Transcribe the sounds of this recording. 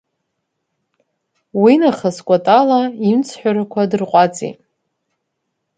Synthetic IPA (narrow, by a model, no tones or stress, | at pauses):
winaχaskʷʼatʼalaimt͡sʰħʷᶣaɾakʷʰadɨrqʷʼat͡sʼḭ